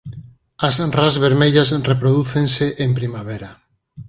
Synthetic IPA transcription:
asrazβeɾmeʎasrepɾoðuθẽnseʔempɾimaβeɾa

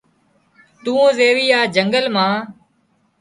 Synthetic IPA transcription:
t̪ũːzeːʋiːaːd͡ʒəŋɡəlmãː

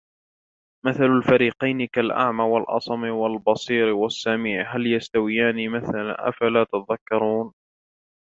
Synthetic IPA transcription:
maθalalfaɾiːqɑjnɪkalʔa̰ʕmaːwalʔɑ̰sˤɑmɪwalbɑsˤiːɾwasːamiːʕɦaljast̪awɪjaːniːmaθala̰ʔa̰falaːt̪at̪aðakːɑɾˤuːn

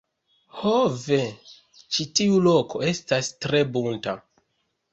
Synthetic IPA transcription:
hove | t͡ʃitiulo̞kʰo̞e̞stastɾe̞bunta

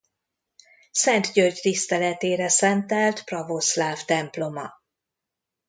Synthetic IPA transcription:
sɛnt̪ɟørɟt̪ist̪ɛlɛt̪eːɾɛsɛnt̪ɛlt̪prɒvoslaːft̪ɛmplo̞mɒ

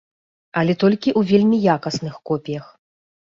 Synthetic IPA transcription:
ɐlʲɛt̪ɔlʲkʲiʔuvʲelʲmʲijakɐsnɨxkɔpʲijɐx

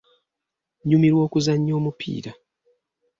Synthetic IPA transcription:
ɲumiɾwo̞ːkuzaɲːo̞ːmupʰḭːɾa

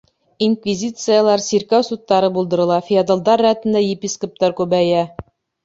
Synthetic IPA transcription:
inkvʲizʲit̪sɨjəlˠɑɾsʲiɾkæwsut̪ːɑɾɤbulˠd̪ɤ̆ɾɤ̆lˠɑfʲijad̪ə̆lˠd̪ɑɾːæt̪ɘ̆nd̪æjɪpʲiskop̚t̪ɑɾkʉβæjæ

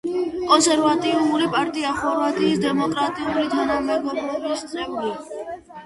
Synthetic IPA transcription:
kʼɔnsɛɾvat̪ʼimuɾipʼaɾt̪ʼiaχɔɾvat̪ʼiːsd̪ɛmɔkʼɾat̪ʼiuɾid̪ʱanamɛɡɔbɾɔbisʼɛvli

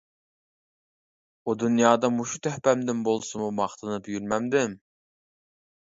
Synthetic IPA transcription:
ud̪unjɑːd̪ɑmuʃut̪ʰøhpɛmd̪ɪnbolˠsɨmumɑχt̪ʰɨnɨpjyɾmɛmd̪ɪm

